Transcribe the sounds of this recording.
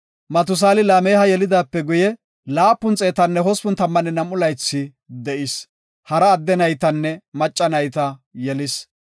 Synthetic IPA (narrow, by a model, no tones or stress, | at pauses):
mɐt̪ʊs̬aːlɪlaːmeːhɐjɛlɪd̪aːpːɛɡʊjɛ | laːpːʊnt͡sʼe̞ːt̪ɐnːɛɦɔspʊnt̪ɐmːɐnɛnɐmːʊlɐjt͡sːɪ | d̪ɛʔɪs | hɐɾɐːd̪ːɛnɐjt̪ɐnːɛmɐt͡ʃʼːɐnɐjt̪ɐjɛlɪs